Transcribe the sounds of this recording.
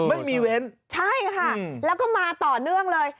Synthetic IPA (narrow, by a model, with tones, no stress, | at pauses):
ma˥˩jmiː˧we˦˥nt͡ɕʰa˥˩jkʰa˥˩lɛː˦˥wkɔː˥˩maː˧t̪ɔː˨˩nɯ˥˩əŋlɤː˧j